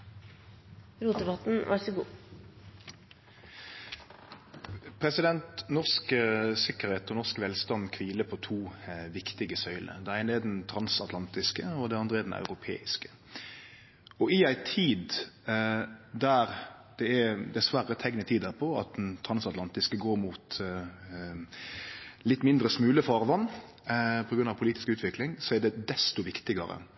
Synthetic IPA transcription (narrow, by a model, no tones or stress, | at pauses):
ɾuːt̪d̪ɛbɑt̪n̩ʋɑ̰ɾsɔɡuː | pʰɾɛsɪd̪ɛnt̪nɔʁsksɪkəɾheːt̪ɔnɔʁskʋɛlst̪ɑnkʰʋiːləpʰɔt̪ʰuːʋɪkt̪ɪɡəsœʏlə̰d̪ɛæɪnɛd̪ɛnt̪ʰɾɑnsɑt̪lɑnt̪ɪskəɔd̪ɛɑnd̪ʁəɛd̪ɛnʔɑ̰ʉʁɾʊpʰḛːɪskə̥ | ɔɪæɪt̪ʰiːd̪ | d̪æɾd̪̥ɛɛd̪ɛsʋæɾət̪ʰɛŋnət̪ʰiːd̪æpʰɔɑ̰t̪̚d̪ɛnt̪ʰɾɑnsɑt̪lɑnt̪ɪskəɡoːɾmut̪ | lɪt̪ːmɪnd̪ɾəsmʉːləfɑːʁʋɑnː | pʰɔɡɾʉnɑʋpʰʊliːt̪ɪ̥skʉːt̪ʰʋɪklɪŋsɔæd̪ɛd̪ɛst̪ʊʋɪkt̪ɪɡəɾə̰